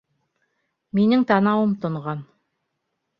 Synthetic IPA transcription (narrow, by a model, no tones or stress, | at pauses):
minɘŋt̪ɑnɑwɤmt̪ŏɴʁɑn